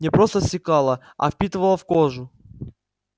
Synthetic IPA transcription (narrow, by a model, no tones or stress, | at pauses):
nʲɪpɾost̪əsʲɪkalˠə | ɐ̰fpʲit̪ɨvəlˠəfkoʐʊ